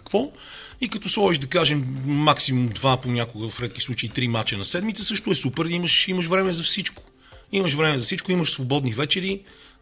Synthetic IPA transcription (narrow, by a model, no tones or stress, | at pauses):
kvɔ | ikɐt̪ɔsˠɔiʒd̪ɐkaʒɛmːaksimumd̪vaponʲakʊɡəvɐfɾɛt̪̚k̟i̥slˠut͡ʃəit̪ɾimat͡ʃənɐsɛd̪mit̪səsɤʃt̪ʊɛsupɛɾiməʃiməʃvɾɛmɛzɐfsit͡ʃkʊ̥ | iməʃvɾɛmɛzɐfsit͡ʃkʊiməʃsvobɔd̪nivɛt͡ʃɛɾi